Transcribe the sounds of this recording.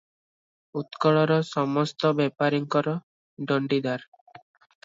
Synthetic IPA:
ut̪kɔɭɔɾɔsɔmɔst̪ɔbɛpaɾiŋkɔɾɔ | ɖɔɳɖid̪aɾ

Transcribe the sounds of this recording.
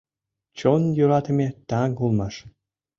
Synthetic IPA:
t͡ɕonjuɾɑt̪ə̆mʲet̪ɑŋkulˠmɑʂ

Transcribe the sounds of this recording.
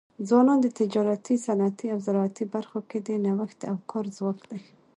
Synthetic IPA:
d͡zwɑnɑnd̪ət̪ɪd͡ʒɑɾat̪isanat̪iawzaɾɑat̪ibaɾxoked̪ənawəxt̪̚d̪əawkʰɑɾzwɑkd̪aj

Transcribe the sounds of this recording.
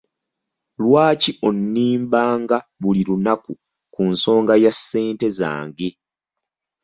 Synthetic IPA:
lwaːciʔo̞nːiːmbaːŋɡaβuliɾunaku | kunso̞ːŋɡajasːe̞ːnte̞za̰ːŋɡi

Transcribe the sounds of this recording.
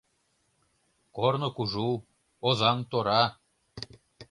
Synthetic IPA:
kornŏkuʒu | ozɑŋt̪oɾɑ

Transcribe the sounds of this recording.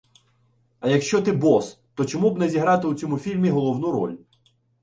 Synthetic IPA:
ɐjɐkʃt͡ʃɔt̪ɪbɔs | t̪ɔt͡ʃɔmubnɛzʲiɦɾɑt̪ɪwt͡sʲɔmufʲilʲmʲiɦɔlˠɔwnuɾɔ̰lʲ

